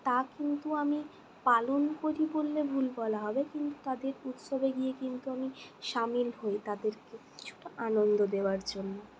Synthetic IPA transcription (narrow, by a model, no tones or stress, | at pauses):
t̪akint̪uami | palonkoɾibolːebʱulbɔlaɦɔbekint̪u̥t̪ad̪eɾut̪ʃobeɡiekint̪uamiʃamilɦoet̪ad̪eɾke | t͡ɕʰu̥ʈaʔanond̪od̪eoaɾd͡ʑonːo